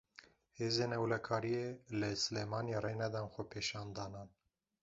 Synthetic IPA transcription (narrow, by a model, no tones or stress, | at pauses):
heːzeːnɛwlɛkʰɑːɾijeləsɨleːmɑːnjeɾenɛd̪ɑːnxʷɛpʰeːʃɑːnd̪ɑːnɑːn